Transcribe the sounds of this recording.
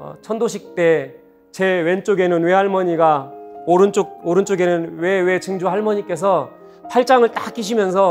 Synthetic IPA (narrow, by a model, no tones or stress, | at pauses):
t͡ɕʰʌndoɕʰik̚t͈e̞ | t͡ɕe̞went͡ɕ͈oɡe̞nɯnwe̞ɦaɭmʌɲiɡaoɾɯnt͡ɕ͈ok̚oɾɯnt͡ɕ͈oɡe̞nɯnwewe̞t͡ɕʰɯŋd͡ʑuɦaɭmʌɲik͈e̞s̬ʰʌ | pʰaɭt͡ɕ͈aŋɯɭt͈ak͈iɕ̬ʰimjʌns̬ʰʌ